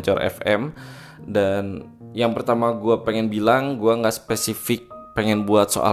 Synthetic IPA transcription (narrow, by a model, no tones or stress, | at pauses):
ɲt͡ʃɔrʔɛ̰fɛm | dan | jaŋpərt̪amaɡuapɛŋɛnbilaŋɡuaŋɡaʔsə̥pɛsifɪk̚pɛŋɛnbuat̪̚so̰ʔa̰